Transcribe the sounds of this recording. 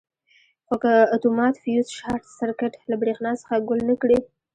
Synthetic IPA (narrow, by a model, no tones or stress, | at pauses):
xokəat̪omɑt̪fijuzʃɑɾt̪saɾkɪʈlabɽexnɑsə̥xaɡʊlnəkɽi